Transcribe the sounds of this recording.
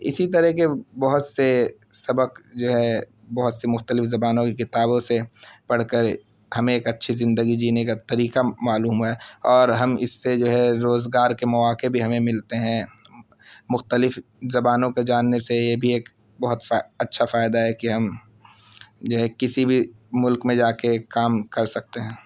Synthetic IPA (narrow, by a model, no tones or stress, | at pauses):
ɪ̰sit̪ɐɾɛɦkebɐɦʊt̪sesɐbəkd͡ʒoːɦɛ | bɐɦʊt̪semʊxt̪əlɪfzɐbaːnõkekɪt̪aːbõsepɐɽ̤kəɾ | hɐmẽeːkɐtːʃʰizɪ̃nd̪əɡid͡ʒiːnekat̪ɐɾiːkamaːluːmɦɛːɔːɾɦɐmɪsːed͡ʒoːɦɛɾoːzɡaːɾkemɐʋaːkebʱiɦɐmẽmɪlt̪eɦɛ̃ | mʊxt̪əlɪfzɐbaːnõked͡ʒaːnːesejebʱieːk | bɐɦʊt̪ɐtːʃʰafaːɪd̪aɦɛkiɦɐm | d͡ʒoːɦɛkɪsibʱi | mʊlkmẽd͡ʒaːkekaːmkɐɾsɐk̚t̪eɦɛ̃ː